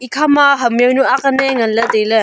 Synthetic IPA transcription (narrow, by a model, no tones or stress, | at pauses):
ikʰamaɦɐmjewnuakaneŋɐnlɐdejlɯ